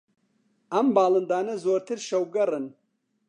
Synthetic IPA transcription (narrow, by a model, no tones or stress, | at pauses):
ɐmbaːlɨnd̪aːnɐzoːɾt̪ʰɨɾʃɐwɡɐɾɨn